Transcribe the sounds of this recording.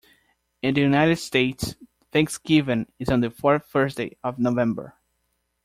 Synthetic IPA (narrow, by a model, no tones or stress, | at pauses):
ɨ̃nðɨjunaɪɾɨd̥steɪts | θæ̃ŋksɡ̥ɪvɨ̃nɨzɔ̃n̩ðɨfɔɹθθɜ˞sdeɪʌvnovɛ̃mbə̰˞